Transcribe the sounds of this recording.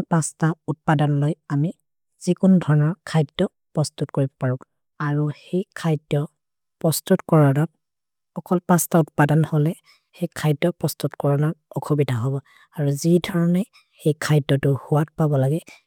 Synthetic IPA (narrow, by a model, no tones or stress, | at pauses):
pastaut̚padanlojami | z̥ikʊndʱɔɹɔnɔɹkʰajdɔ | pɹɔstutkoɹibɔpaɹʊk | aɹuhejkʰajdɔ | pɔstutkɔɹɔnɔ | ɔkʰɔlpastautpadanholɛ | hejkʰajdɔpɹɔstutkɔɹɔnɔɹɔkʰubidʱaɦobɔ | aɹuzidʱɔɹɔnɛ | hejkʰajdɔtʊhʊwat̚pabɔlaɡɛ